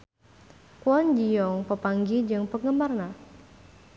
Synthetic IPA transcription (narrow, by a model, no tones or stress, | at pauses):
kuɔnd͡ʒijɔŋpəpaŋɡid͡ʒɨŋpəŋəmarna